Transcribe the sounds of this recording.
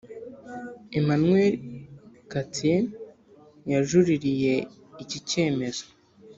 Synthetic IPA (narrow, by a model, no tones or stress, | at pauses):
im̥anŋweɾ | katien | jaʒuɾiɾije̞ | icice̞ːme̞z̥o̥